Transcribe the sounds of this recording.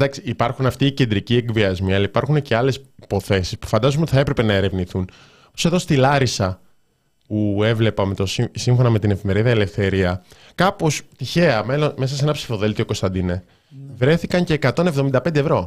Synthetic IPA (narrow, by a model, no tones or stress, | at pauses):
d̪ɐksiipɐɾxunɐft̪iːce̞nd̪ɾicieɡviɐzmiɐlɐipɐɾxuneceɐle̞sipo̞θe̞si̥spu̥fɐnd̪ɐzonot̪i̥θɐe̞pɾe̞pe̞nɐe̞ɾe̞vniθun | ose̞ðo̞st̪ilɐɾisɐ | pue̞vle̞pɐmet̪o̞sisiɱfo̞nɐme̞t̪ine̞fime̞ɾiðɐele̞fθe̞ɾiɐ | kɐpo̞st̪içe̞ɐmelonme̞s̬ɐseenɐpsi̥fo̞ðe̞lt̪ioko̞st̪ɐnd̪ine | vɾe̞θikɐɲce̞ːkɐt̪o̞ne̞vðo̞mind̪ɐpe̞nd̪evɾo̞